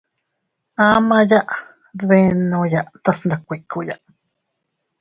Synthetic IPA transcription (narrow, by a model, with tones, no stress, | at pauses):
ã˦mã˧ja˦ʔ | ðe˧nõ˧ja˨ʔt̪a˦snd̪a˨˧kʷe˨ku˨ja̰˨ʔ